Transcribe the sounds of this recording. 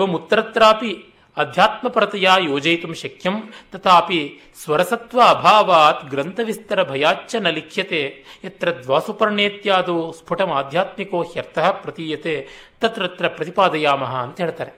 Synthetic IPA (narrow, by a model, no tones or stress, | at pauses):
ʋɐmut̪ːɐɾɐt̪ɾaːpi | ɐd̪ʱjaːt̪mɐpɐɾɐt̪ɐjaːjoːd͡ʒɐjt̪umʃɐkʰjɐmt̪ɐt̪ʰaːpi | sʋɐɾɐsɐt̪ʋɐːbʱaːʋaːt̪ɡɾɐnt̪ɐʋist̪ɐɾɐbʱɐjaːt͡ʃːɐnɐlikʰjɐt̪eːɐt̪ɾɐd̪ʋaːsupɐɾɐɳeːt̪jaːd̪oːsbʰʱuʈɐmaːd̪ʱjaːt̪mikoːhjɐɾt̪ɐɦɐpɾɐt̪iːjɐt̪eːt̪ɐt̪ɾɐt̪ɾɐpɾɐt̪ipaːd̪ɐjaːmɐɦɐːnt̪ɐɦeːɭt̪aːɾe